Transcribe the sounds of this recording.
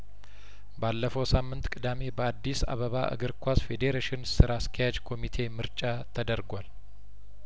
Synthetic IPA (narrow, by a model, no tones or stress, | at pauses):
balːəfəwsamːɨnt̪kʼɨd̪ame̞bəad̪ːisa̰βəβaʔɨ̰ɡɨɾkʰʷasfe̞d̪eɾeʃɪnsɨɾaskʰəjad͡ʒkʰo̞mit̪ʰe̞mɨɾt͡ʃʼat̪ʰəd̪əɾɡʷal